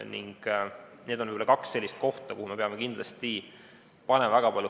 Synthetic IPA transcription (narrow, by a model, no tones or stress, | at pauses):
nḭŋɡ̥ne̞ːd̪onvɯjbolɑkɑksːe̞lʲːist̪̚ko̞ht̪ɑkuhume̞pe̞ɑmekind̪lɑst̪i | pɑnemvæɡɑpɑlʲju